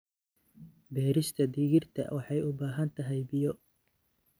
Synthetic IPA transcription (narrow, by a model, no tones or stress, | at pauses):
bɛːɾɪst̪ʰɐd̪iːɣɪrt̪ʰɐ̰wʔɑħɑjʊbaːɦɐnt̪ʰɐɦɛjbɪjɔ